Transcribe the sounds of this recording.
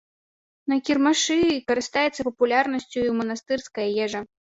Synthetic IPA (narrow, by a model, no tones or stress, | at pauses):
nɐkʲirmaʂɨkɐɾɨst̪ajɛt̪sːɐpɐpulʲarnɐsʲt͡sʲuimɐnɐst̪ɨrskɐjɐjɛʐɐ